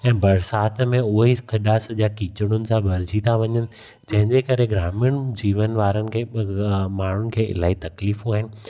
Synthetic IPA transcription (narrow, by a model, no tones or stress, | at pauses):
ɛ̃ːbɐɾsaːt̪mẽʊɦixɐɗaːsʄakiːt͡ɕʊɽ̃ʊnɪ̆sãbʱɐɾd͡ʑʱit̪ʰaʋɐɲənɪ̆ | d͡ʑɐ̃ɦɪ̃ɲd͡ʑekɐɾeɡɾaːmɪʊɽ̃d͡ʑiːʋənʋaːɾənɪ̆kʰeːmaːɳ̤ʊnɪ̆kʰeːʔɪ̰laːɦit̪ɐkliːfɦuaːɦɪnɪ̆